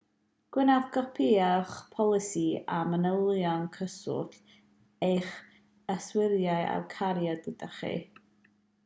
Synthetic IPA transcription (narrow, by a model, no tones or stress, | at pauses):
ɡ̥wɪnavɡɔpʰiaχpʰɔlˠɪsiamənəlˠɔnkʰəsʊ̰ɬ | ejχ | əswɪɾjaɨa̰wkʰaɾjɔdɪdəχḭ